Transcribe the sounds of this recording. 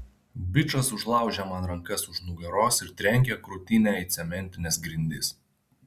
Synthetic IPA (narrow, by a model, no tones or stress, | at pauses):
bʲɪt͡ʃɐsʊʒlˠɑˑʊʒʲɛmɐnɾɐŋkɐsʊʃnʊɡʲɐɾoːsɪɾt̪ʲɾʲɛŋʲkʲɛkɾʊt̪ʲɪnʲæːɪt̪sʲɛmʲɛnʲt̪ʲɪnʲɛːsɡɾʲɪnʲd̪ʲɪs